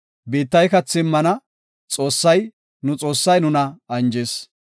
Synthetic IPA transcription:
be̞ːt̪ːɐjkɐt͡sːɪmːɐnɐ | t͡sʼo̞ːsːɐj | nʊt͡sʼo̞ːsːɐjnʊnɐɐnd͡ʒeːs

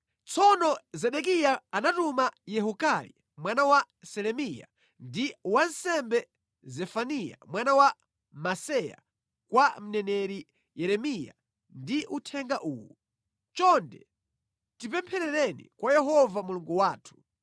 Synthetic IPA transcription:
t͡sʰɔnɔzɛɗɛk̬ijaːnatumajɛɦukalḭ | mwanawa | sɛlɛmija̰ | ndiwansɛmbɛ | zɛfanija̰mwanawa | masɛja̰ | kwam̩nɛnɛɾi | jɛɾɛmija̰ | ndiʔutʰɛŋɡaʔuːwu | t͡ʃɔndɛ̰ | tip̬ɛmpʰɛɾɛɾɛnḭkwajɛɦɔvamuluŋɡuwaːtʰu̥

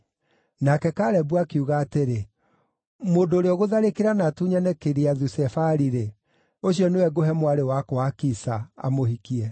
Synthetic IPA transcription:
nakɛkaɾɛbuakeuɣaːteɾe | moːndoːɾeɔɣoðaɾekeɾanatuɲanɛkeɾeaðusɛfaɾiɾe | oɕijɔnewɛɡoɦɛmwaɾewakoakisaa̰mohikiɛ

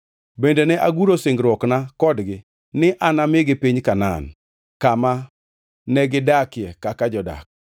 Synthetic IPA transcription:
bendenɛʔaɡuɾoseŋɡɾwɔknakɔdɡɪ | nɪʔanamɪɡɪpiɲkana̰n | kama | nɛɡɪdakɪjɛkakad͡ʒɔda̰k̚

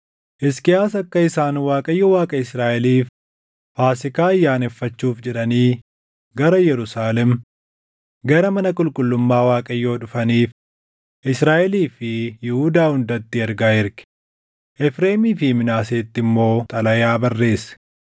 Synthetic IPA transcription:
ʔɪskɪjaːsɐkːɐɪsaːnwaːkʼɐjːowaːkʼɐɪsɾaːʔɛliːf | faːsɪkaːɐjːaːnɛfːɐt͡ʃːuːfd͡ʒɛᶑɐniː | ɡɐɾɐjɛɾʊsaːlɛm | ɡɐɾɐmɐnɐkʼʊlkʼʊlːʊmːaːwaːkʼɐjːo̞ːᶑʊfɐniːf | ʔɪsɾaːʔɛliːfɪjɪhud̪aːhʊnd̪ɐt̪ːɪɛɾɡaːɪɾkɪ̥ | ʔɛfɾeːmiːfɪmɪnaːseːt̪ːɪmːo̞ːt̪ʼɐlɐjaːbɐrːe̞ːsɛ̥

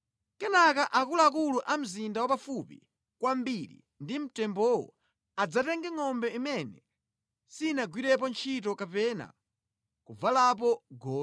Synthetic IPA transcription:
kɛnakaʔakulaːkuluʔam̩zindawapafupḭ | kwambiɾḭ | ndim̩tɛmbɔwɔ̰ | ad͡zatɛŋɡɛŋɔmbɛimɛnɛ | sinaɡwiɾɛp̬ɔnt͡ʃʰitɔkapɛna̰ | kuvalap̬ɔɡɔː

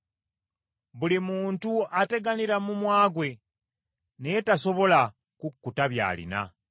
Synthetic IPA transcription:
βulimuːntuʔate̞ɡaniɾamumwaːɡwe̞ | netaso̞βo̞la | kukːutaβja̰ːlḭna̰

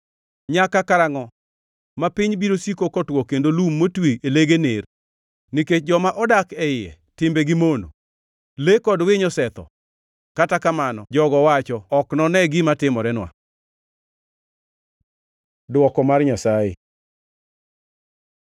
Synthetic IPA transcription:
ɲakakaɾaŋɔ | mapiɲbiɾosikokɔtwɔkendolumːotweʔeleɡener | niket͡ʃ̚d͡ʒɔmaʔɔdakɛɪɛ̰ | tɪmbɛɡɪmono̰ | lekɔdwɪɲɔsɛt̪ɔ̰ | katakamanɔ̰d͡ʒɔɡɔwat͡ʃɔɔknɔnɛɡɪmatɪmɔɾɛnwa̰ | dwɔkɔmarɲasajḛ

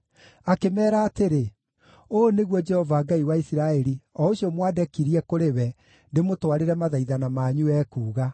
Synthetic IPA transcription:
akemɛːɾaːteɾe | oːneɣwɔd͡ʒɛhɔvaːɡaiwaisiɾaɛɾiɔoɕiɔmwadɛkiɾiɛkoɾewɛ | ndemotwaɾeɾɛmaðaiðanamaːɲuɛːkuːɣa

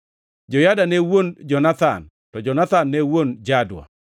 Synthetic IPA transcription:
d͡ʒɔjadanɛwond͡ʒɔnat̪a̰n | tɔd͡ʒɔnat̪anːɛwond͡ʒadwa̰

